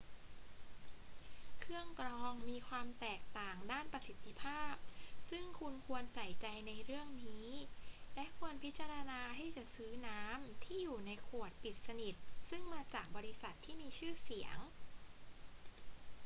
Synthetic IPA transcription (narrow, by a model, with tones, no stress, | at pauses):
kʰɯ˥˩əŋkɾɔː˧ŋmiː˧kʰwaː˧mt̪ɛː˨˩k̚t̪aː˨˩ŋdaː˥˩npɾa˧si˨˦t̪ʰːi˧pʰaː˥˩p̚sɯ˥˩ŋkʰu˧nkʰu˧ənsa˨˩˦jt͡ɕa˧jna˧jɾɯ˥˩əŋniː˦˥lɛ˦˥ʔkʰu˧ənpʰi˦˥t̪̚t͡ɕa˧ɾa˧naː˧ɦa˥˩jt͡ɕa˨˩sɯː˦˥naː˦˥mt̪ʰiː˥˩juː˨˩na˧jkʰu˨˩ət̪̚pi˨˩t̪̚sa˧ni˨˩t̪̚sɯ˥˩ŋmaː˧t͡ɕaː˨˩k̚bɔː˧ɾi˦˥sa˨˩t̪ʰːiː˥˩miː˧t͡ɕʰɯː˥˩si˩˦əŋ